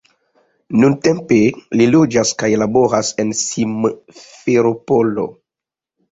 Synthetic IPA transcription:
nuntempelilod͡ʒaskajlaboɾasensimfeɾopolo̰

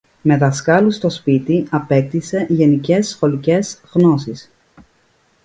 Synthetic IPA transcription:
me̞ðɐskɐlust̪o̞spit̪iɐpe̞k̚t̪ise̞ʝe̞nice̞sːxo̞lice̞zɣno̞sis

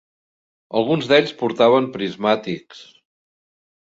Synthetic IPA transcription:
əlˠɣunzðeʎʲspuɾt̪aβ̞əmpɾizmat̪iks

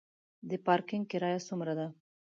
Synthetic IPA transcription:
d̪əpɑɾkɪŋɡ̚kɪɾɑjasumɾad̪a

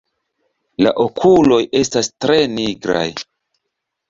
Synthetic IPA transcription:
la̰ʔokʰulo̞je̞stastɾe̞niɡɾa̰j

